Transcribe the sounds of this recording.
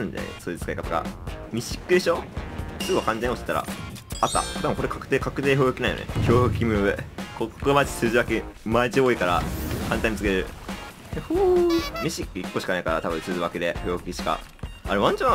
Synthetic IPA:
ɯ̃nda̰ḛsɨːit͡sɨ̥kaikat̪aka̰mʲiɕi̥kːɯ̟d̪e̞ɕo̞sɨɡokãɲt̪ẽoɕt̪e̥t̪ːaɾa̰at̪ːa̰t̪abɯ̃koɾekʰakɯ̥t̪eːkakɯ̟t̪eːhɯɯkʲinaijo̰neçoːhɯ̟kʲimɯekokːomat͡ɕi̥sɨːʑiβakʲimaiʑioːikaɾa̰hãnt̪aĩmʲit͡sɨkeɾeɾɯ | ehomʲiɕikːɯ̟ikːo̞ɕi̥kanaikaɾat̪aβɯ̟̃sɨːziβaked̪e̞çohɯ̟kʲiɕi̥ka̰ | aɾeβãɲ̟t͡ɕo

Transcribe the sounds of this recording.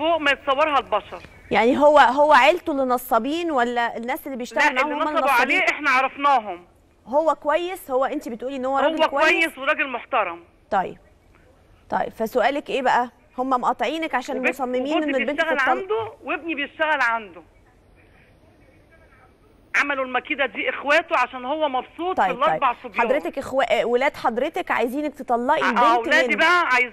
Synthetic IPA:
foːʔmæjet̪sˤɑwːɑɾˤɦɑlbɑʃɑɾˤ | jaʕniɦowːæɦowːæʕelt̪ulenɑsˤːɑbiːnwælːæenːæːselːibejeʃt̪æɣælmaʕhoomːælnɑsabeiːnʔeħnæʕɑɾˤɑfnɑːɦom | ɦowːækowæjːeshowːæʔent̪ibet̪ʔuːliʔenːhowːæɾˤɑɡekowææːjːesweɾˤɑɡelmoħt̪ɑɾˤɑm | t̪ˤɑjːḛb̥̚ | t̪ˤɑ̰jḛb̥fæsoʔæːlækʔeːbæʔæ | homːæmoʔɑt̪ˤʕiːnækʕaʃæːnmmosˤɑmːemiːnʔenːebenæɣælːɑld̪owebnibejeʃt̪æɣælʕand̪o | ʕamælolmækiːd̪æd̪iːʔexwæːt̪oʕaʃæːnhowːæmɑbsˤuːt̪ːˤɑjlːɑɑjbɑʕsˤobjħɑddˤɾet̪ekʔexwæʔwelæːd̪ħɑd̪ˤɾet̪ekʕa̰jziːnek̚t̪et̪ˤɑlːɑʔienw̪æːæːd̪bæʔæʕajz

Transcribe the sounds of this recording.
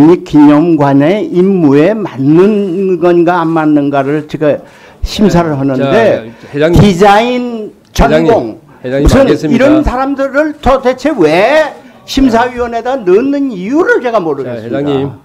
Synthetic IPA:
ɲik͈iɲʌmɡwaɲaeʔimːue̞manːɯnɡʌnɡaːmːanːɯnɡaɾɯɭt͡ɕeɡa | ɕʰims̬ʰaɾɯɭɦʌnɯnde̞t̪id͡ʑain | t͡ɕʌnɡoŋ | musʰɯniɾʌnsʰaɾamdɯɾɯɭtʰʌset͡ɕʰe̞we̞ | ɕʰimsʰaɥiwʌne̞danɯnːɯnijuɾɯɭt͡ɕe̞ɡamoɾɯɡesɯa

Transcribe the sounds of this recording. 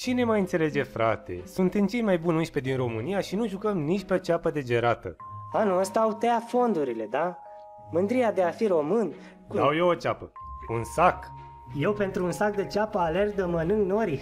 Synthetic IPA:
t͡ʃine̞majɨnt̪sele̞d͡ʒe̞fɾat̪e̞̰sunt̪emt͡ʃe̞jmajbunɨnʃpe̞d̪inro̞mɨnijaʃinuʒukəmnit͡ʃʲpeot͡ʃapəd̪e̞d͡ʒe̞ɾat̪ə̰ | anuəst̪aaːut̪eafo̞nd̪uɾile̞d̪a | mɨnd̪ɾijad̪e̞afiɾo̞mɨn | d̪awjewot͡ʃapəunsak | je̞wpe̞nt̪ɾuːnsak̚d̪e̞t͡ʃapəale̞rd̪əmənɨŋɡno̞ɾi

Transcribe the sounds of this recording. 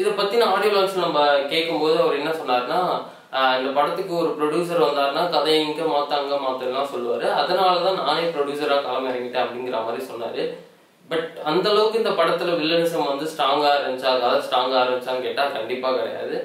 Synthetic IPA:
ɪðɐpɐt̪ːinãːaːɽijɐlaːsnɐmːɐkeːʈkːɯmpoːðɯɐʋɐɾɛnːɐsɔnːaːɾɯnaː | ɪnd̪ɐpɐɽɐt̪ːɯkːɯɔɾɯpɪɾɔɽjuːs̬ɐɾʋɐnd̪aːɾɯnaːkɐðɐjɐŋkːɐmaːt̪ːaːŋɡɐmaːt̪ːɐɾlãːsɔlːɯʋaːɾɯɐðɐnaːlɐt̪ãːnaːɛpɪɾɔɽjuːsɐɾãːkaːlɐmɐɪɾɐŋɡɪʈːẽːɐpːɐɽɪŋɡɪɾɐmaːd̪ɾisɔnːa̰ːɾɯ | bɐʈɐnd̪ɐlɐʋɯkːɯɪnd̪ɐpɐɽɐt̪ːɯlɐʋɪɭːɐnɪs̬ɐmʋɐnd̪ɯsʈaːŋɡaːɾɐmɪt͡ʃːaːkɐːðɐsʈaːŋɡaːɾɐmbɪt͡ʃːaːkeːʈːaːkɐɳɖɪpːaːkɐɽɐ̰ja̰ːðɯ

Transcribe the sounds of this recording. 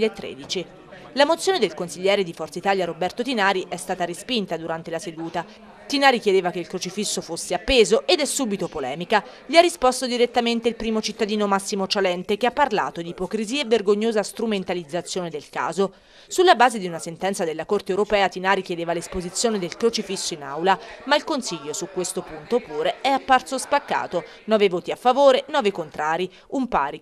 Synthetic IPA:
aet̪ːɾḛːd̪it͡ʃi | lamot̪sːjoːned̪elkonsiʎːɛːɾed̪ifɔrt̪sait̪aːʎjaɾobɛrt̪ot̪inaːɾiʔɛst̪aːt̪aɾispint̪ad̪uɾant̪elased̪uːt̪a | t̪inaːɾik̟jed̪eːvakeilkɾot͡ʃifisːofosːeapːeːzoʔed̪ɛsːuːbit̪opolɛːmikaʎiarːispost̪od̪iɾet̪ːament̪eilpɾiːmot͡ʃit̪ːad̪iːnomasːimot͡ʃalɛnt̪ekeapːarla̰ːt̪od̪iːpokɾiziːaevːerɡoɲːoːzast̪ɾument̪alid̪zːat̪sːjoːned̪elka̰ːzo | sulːabaːzed̪iunasent̪ɛnt̪sad̪elːakort̪ewɾopɛːat̪inaːɾik̟jed̪eːvalespozit̪sːjoːned̪elkɾot͡ʃifisːoina̰wlamailkonsiʎːosukːwest̪opunt̪opuːɾeɛapːart̪sospakːa̰ːt̪o | nɔːvevoːt̪iafːavoːɾenɔːvekont̪ɾaːɾi | umpa̰ːɾi

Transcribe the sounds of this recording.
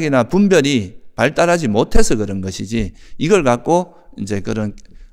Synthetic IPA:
ɡinapumbjʌɾipaɭt͈aɾɦad͡ʑimotʰe̞sʰʌkɯɾʌnɡʌɕʰid͡ʑiiɡʌɭkak̚k͈o | ind͡ʑe̞kɯɾʌn

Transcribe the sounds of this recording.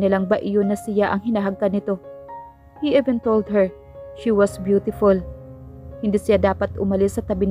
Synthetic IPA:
nɪlaŋbaʔɪjonːɐsɪjaʔɐŋɦɪnaɦɐɡ̚kad̪nɪt̪o̞ | hiʔivɛ̃nt̪old̪̚hɛɹ | ʃiwɐsbjuːt̪ɪfʊl | hɪnd̪iːsɪjad̪aːpɐt̪ʔʊmɐlɪsːɐt̪ɐbɪn

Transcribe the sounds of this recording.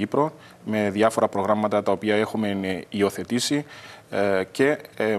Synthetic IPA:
ipɾo̞ | me̞ðjɐfo̞ɾɐpɾo̞ɣɾɐmːɐt̪ɐt̪ɐo̞piɐe̞xume̞nio̞θe̞t̪isi | ce̞

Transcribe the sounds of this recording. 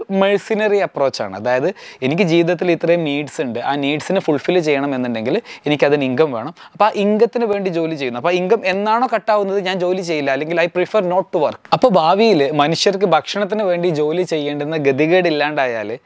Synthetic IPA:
mɐɻsinɐriɐpro̞ːt͡ɕːa̰ːɳɨ̰ɐðaːjɐðɨe̞nikʲːɨd͡ʑiːʋiðɐt̪ːilit̪ːrɐjumniːɖsuɳɖɨʔaːniːɖsinɨfuɭfilt͡ɕe̞jːɐɳɐme̞nːuɳɖe̞ŋɡile̞nikʲːɐðiniŋɡɐmʋe̞ːɳɐmɐpːoʔiŋɡɐt̪ːinɨʋe̞ːɳɖid͡ʑo̞ːlit͡ɕe̞jːunːuɐpːoːiŋɡɐme̞nːaːɳo̞ːkɐʈːaːʋunːɐðɨɲaːnd͡ʑo̞ːlit͡ɕe̞jːilːɐːlːe̞ŋɡilɐjprifɐrno̞ːʈːuʋɐrkɐpːo̞ːbʱaːʋijilmɐnuʂjɐrk̬ɨbʱɐkʂɐɳɐt̪̬ːinɨʋe̞ːɳɖid͡ʑo̞ːlit͡ɕe̞jːeːɳɖenːɐɡed̪ʱiɣeːɽilːaːɳɖaːja̰ːl

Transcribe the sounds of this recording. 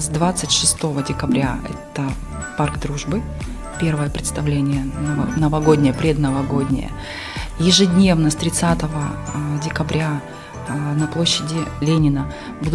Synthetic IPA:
zd̪vat̪sɨtʲʂɨst̪o̞vədʲɪkɐbɾʲaɛ̰t̪ə | parɡd̪ɾuʐbɨ | pʲe̞rvəjəpɾʲɪt̪st̪ɐvlʲenʲɪjənnəvɐɡo̞dʲnʲɪjəpɾʲed̪nəvɐɡo̞dʲnʲɪ̰jə̰ | jɪʐɨdʲnʲe̞vnəst̪ɾʲɪt̪sat̪əvədʲɪkɐbɾʲa | nɐplˠo̞ɕːɪdʲɪlʲenʲɪnə | bud̪

